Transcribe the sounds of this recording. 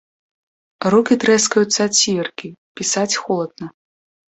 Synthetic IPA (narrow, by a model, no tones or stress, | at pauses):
rukʲit̪ɾɛskɐjut̪sːat͡sʲːiɛrkʲipʲisat͡sʲxɔlˠɐd̪̚nɐ